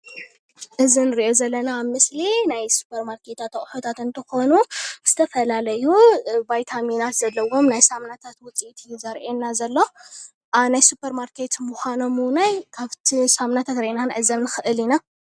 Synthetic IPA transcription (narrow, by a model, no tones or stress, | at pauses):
ʔɨzinɨɾiʔo̞zɐlːɐnaːβmɨslinajsu̥pʰɐɾmaɾkʰe̞t̪at̪ɐχʼħot̪ʰat̪ɨnt̪ʰɨxo̞nuz̥ɨt̪ʰɐfɐlalɐjubajt̪ʰaminat̪zɐlːɐwo̞mnajsamnat̪ʰat̪wʊt͡sʼit̪ʰizɐɾʔenːazɐlːɐ | ʔanajsupʰɐɾmaɾkʰe̞t̪muxʷano̞munajkʰaβt̪ʰisamnat̪ʰat̪ɾʔenanʕɨzːɐmnɨxɨʔɨlina